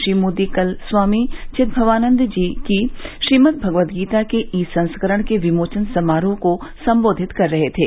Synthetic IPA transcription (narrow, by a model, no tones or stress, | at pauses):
ʃɾiːmoːd̪ikɐlswaːmit͡ʃɪt̪̚bʱɐʋaːnə̃nd̪d͡ʒiːkiʃɾiːmət̪̚bʱɐɡʋət̪ɡiːt̪akeʔiːsɐ̃nskəɾəɽ̃keʋɪmoːt͡ʃənsɐmaːɾõkosɐ̃mboːd̪ʱɪt̪kɐɾːɐɦet̪ʰeː